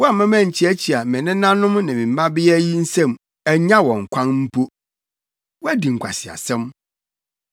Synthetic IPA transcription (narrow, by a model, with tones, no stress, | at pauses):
wɔ˦a˨mã˦mæ̃˦˨ɲ̩˨t͡ɕʰɪ˦æ˦t͡ɕʰi˨a˨mɪ̃˨nɪ̃˦nã˦nʊ̃˦mnɪ̃˨mĩ˨m̩˨˦mã˦bɪ˦jɛ˦ji˦n̩˦sɛ̃˦˨m | æ˨ɲã˦wɔ̃˨ŋ̩˨kʷʰã˦nm̩˦pʰo˦ | wɔ˦æ˦di˨ŋ̩˨kʷʰa̰˨sɪ˨a̰˨sɛ̃˦m